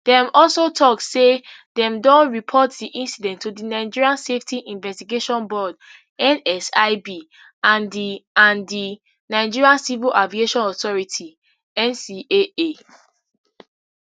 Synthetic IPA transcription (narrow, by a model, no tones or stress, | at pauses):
d̥ɛ̃mɔlsotʰɔktsedɛ̃mdɔ̃nɹipʰɔtdiʔĩnsidɛ̃ntʰːudinaɪd͡ʒiɹiãnseftiʔĩnvɛstiɡeʃɔ̃nbɔd | ɛ̃nɛsaɪbi | ãndiãndi | naɪd͡ʒiɹiãnsivilʔavieʃɔ̃nɔtɔɹitʰi | ɛ̃nsiʔee